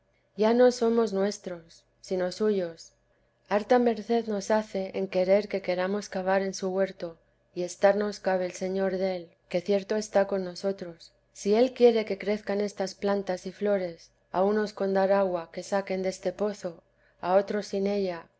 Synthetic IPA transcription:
jano̞so̞mo̞znwe̞st̪ɾo̞sː | ino̞suʝo̞s | aɾt̪ame̞ɾθe̞ðno̞saθe̞ʔeŋke̞ɾe̞ɾke̞ke̞ɾamo̞skaβ̞aɾe̞nsuɣwe̞ɾt̪o̞ | ie̞st̪aɾno̞skaβe̞lse̞ɲo̞ɾðe̞l | ke̞θje̞ɾt̪o̞e̞st̪ako̞nːo̞so̞t̪ɾo̞sː | ie̞lkje̞ɾe̞ke̞kɾe̞θkane̞st̪asplant̪asiflo̞ɾe̞s | auno̞sko̞nd̪aɾaɣwake̞sake̞nd̪e̞st̪e̞po̞θo̞ | ao̞t̪ɾo̞sine̞ʎa

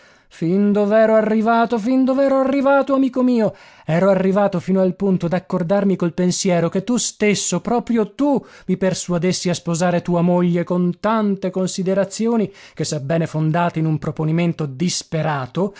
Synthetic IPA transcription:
find̪ovɛːɾoarːivaːt̪ofind̪ovɛːɾoarːivaːt̪oamiːkomiːo | ɛːɾoarːivaːt̪ofiːnoalpunt̪od̪akːord̪armikolpensjɛːɾoket̪ːust̪esːopɾɔːpɾjot̪u | mipersuad̪esːiaspozaːɾet̪uːamoʎːekont̪ant̪ekonsid̪eɾat̪sːjoːnikesːabːɛːnefond̪aːt̪oinumpɾoponiment̪od̪ispeɾaːt̪o

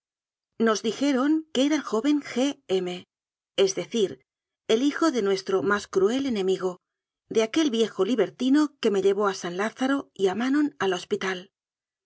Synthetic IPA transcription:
no̞zðixe̞ɾo̞ŋkeeɾaelxo̞βe̞ŋxe̞eme̞ | ezðe̞θiɾ | e̞lixo̞ðe̞nwe̞st̪ɾo̞maskɾue̞le̞nẽ̞miɣo̞ | ðeake̞lβje̞xo̞liβe̞ɾt̪ino̞ke̞me̞ʎe̞β̞o̞asanlaθaɾo̞iamano̞nalo̞spit̪al

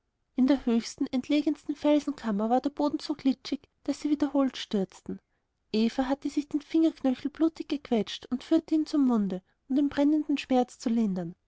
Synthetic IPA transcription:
ʔɪndeːɐhøːçstn̩ɛntʰleːɡənstn̩fɛlzn̩kʰamɐvaːɐdeɐb̥oːdn̩z̥oːɡlɪt͡ʃɪç | d̥asːiːviːdɐhoːltʃtʏɐt͡stn̩ | ʔeːfɐɦatəzɪçd̥eːnfɪŋɐknœçl̩b̥luːtɪç̚ɡ̥əkʰv̥ɛt͡ʃtʊntfyːɐtəiːnt͡sʊmːʊndə | ʊnd̥eːmbʁɛnəndn̩ʃmɛɐt͡st͡sulɪndɐn

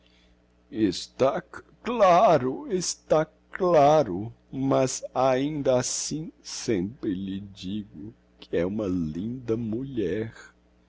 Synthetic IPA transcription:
est̪a | klaɾʊest̪a | klaɾʊ | mɐzaĩnd̪ɐasĩsẽmpɾɪʎɪd͡ʒiɡʊ | kʰɪɛũmɐlĩnd̪ɐmuʎɛɾ

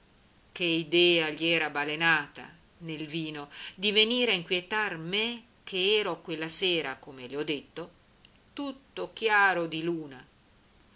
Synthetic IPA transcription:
keid̪ɛːaʎiɛːɾabalenaːt̪a̰ | nelviːnod̪iveniːɾaiŋkwjet̪arme | kʰeɛːɾokwelːaseːɾakomeleɔd̪ːet̪ːo | t̪ut̪ːok̟jaːɾod̪iluːna

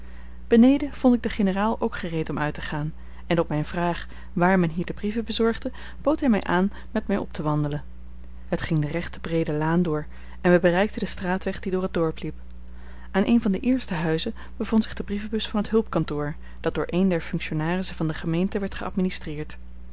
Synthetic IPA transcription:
b̥ənejdəv̥ɔntɪɡ̚dəχenəraːlˠowkχərejtɔmœɥtəχaːn | ɛnɔp̚mɛjnvraːχ | ʋaːɹmɛnɦiːɹdəbrivəbəzɔɹχdə | b̥owtɦɛjmɛjʔaːn | mɛtmɛjʔɔ̰p̚təʋɑndələn | ɦətχɪŋdərɛχtəbrejdəlaːndʊːɹ | ɛnʋəbərɛjk̚tədəstraːtʋɛχd̥idʊːrət̚dɔɹplip | aːnʔejnvɑndəʔɪːɹstəɦœɥzə | bəvɔntsɪχdəbrivəbɵsfɑnətɦɵlˠpkɑntʊːɹ | d̥ɑt̚dʊːɹʔejndɛɹfɵŋkʃonaːrɪsəvɑndəχəmejntəʋɛɹtχəɑ̰tministrɪːɹt

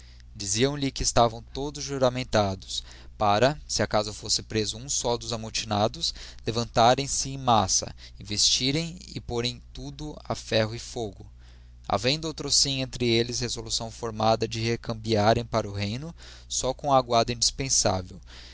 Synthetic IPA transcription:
d͡ʒiziɐ̃w̃lɪkɪːst̪avɐ̃w̃t̪od̪ʊzʒuɾamẽnt̪ad̪ʊs | paɾɐsɪakazʊfosɪpɾezʊũsɔd̪ʊzamot͡ʃinad̪ʊslevɐ̃nt̪aɾẽj̃sɪẽj̃masɐ̰ | ĩvest͡ʃiɾẽj̃ɪ̰poɾẽj̃t̪ud̪ʊa̰fɛɦʊɪfoɡʊ | a̰vẽj̃d̪owt̪ɾosĩjẽnt̪ɾɪelɪshezolusɐ̃w̃foɾmad̪ɐd͡ʒɪhekɐ̃mbiaɾẽj̃paɾʊɦẽj̃nʊ | sɔkõw̃ɐːɡwad̪ɐĩd͡ʒispẽsa̰vew

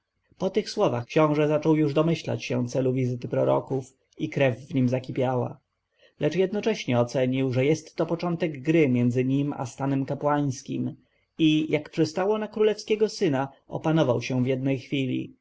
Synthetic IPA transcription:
pɔt̪ɘxswɔvaxkɕɔ̃w̃ʐɛzat͡ʂɔwjuʐd̪ɔmɘɕla̰t͡ɕɕɛ̰̃t̪sɛluvʲizɘt̪ɘpɾɔɾɔ̰kuf | ikɾɛvːɲimzakʲipʲjawa̰ | lɛt͡ʂjɛd̪nɔt͡ʂɛɕɲɛɔt̪sɛɲiwʐɛjɛst̪ːɔpɔt͡ʂɔnt̪ɛɡɡɾɘmʲjɛnd̪zɘɲima̰st̪anɛmkapwaj̃skʲḭm | ijakpʂɛst̪awɔnakɾulɛfskʲɛɡɔsɘna | ɔ̰panɔvawɕɛvjɛd̪nɛjxfʲilʲḭ

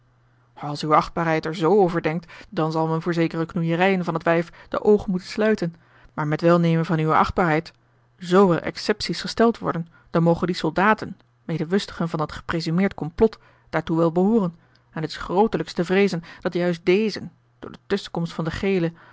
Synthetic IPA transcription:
ɑlˠsyəɑχd̚baːɹɦɛjtɛɹzowowvəɹdɛŋk̚tdɑnzɑlˠmɛnvʊːɹzejkərəknujərɛjənvɑnɦətʋɛjfd̥ə̰ʔowχənmutənslœɥtən | maːɹmɛtʋɛlˠnejmənvɑnyʋəʔɑ̰χd̚baːɹɦɛjt | zowvɛ̰lˠʔɛ̰ksɛpsisχəstɛlˠtʋɔ̰ɹdən | d̥ɑnmowχəndisɔlˠdaːtən | mejdəʋɵstəχənvɑnɦətχə̥prezymɪːɹtkɔmplɔt | d̥aːɹtuʋɛlˠbəɦʊːrən | ɛnɦətɪ̥sχrowtələkstəvrejzənd̥ɑtjœɥst̚dejzən | d̥ʊ̰ːɹdətɵsə̥kɔmstfɑndəχejlə

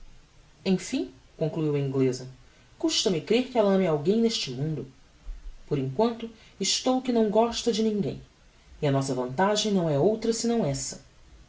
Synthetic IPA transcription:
ẽj̃fĩ | kõŋkluiwɐĩŋɡlezɐ | kuʃt̪ɐmɪkɾeɾkɪɛlɐɐ̃mɪawɡẽj̃neʃt͡ʃɪmũnd̪ʊ | poɾẽŋkwɐ̃nt̪ʊɪʃt̪owkɪnɐ̃w̃ɡɔʃt̪ɐd͡ʒɪnĩŋɡḛ̃j̃ | ɪɐnɔsɐvɐ̃nt̪aʒẽj̃nɐ̃w̃ɛowt̪ɾɐsɪnɐ̃w̃ɛsɐ

